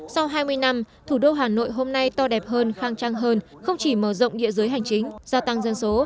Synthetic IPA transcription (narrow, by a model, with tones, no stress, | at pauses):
sa˧wɦaː˧jmɨ˧əjna˧m | t̪ʰu˧˩ɗo˧ɦaː˨˩no̰˧˨jɦo˧mna˧jt̪ɔ˧ɗɛ˨˩p̚ɦəː˧nxaː˧ŋt͡ɕaː˧ŋɦəː˧n | xə˧wŋ͡mt͡ɕi˧˩məː˧˩zə̰˧˨wŋ͡mɗḭ˧˨əzɨ˨˦jɦa˨˩jŋ̟t͡ɕï˨˦ŋ̟zaː˧t̪a˧ŋzə˧nso˨˦